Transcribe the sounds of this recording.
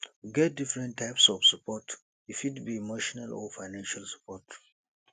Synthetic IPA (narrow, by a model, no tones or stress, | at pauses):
wiɡɛt̚difɹɛ̃ntʰːaɪpsɔv̥səpʰɔt | ifitbiːmoʃɔnalɔ̰faɪnãnʃalsə̥pʰɔt